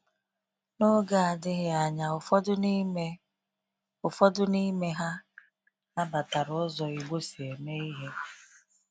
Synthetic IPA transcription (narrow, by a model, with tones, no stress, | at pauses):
nʊ˦ɡa˦a˨dɪ˦ɣɪ˨a˨ɲa˨˦ | ʊ˨fɔ˦dʊ˦ni˦me˦ɦa˦ | na˦ba˨ta˨ɾʊ˨˦zɔ˨i˨ɡ͡bo˦si˨e˨me˦i˦ɦe˦